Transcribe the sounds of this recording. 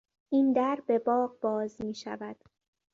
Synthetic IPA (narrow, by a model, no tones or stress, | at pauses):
ʔiːnd̪æɾbe̞bɒːɢbɒːzmiːʃæ̰væd̪̥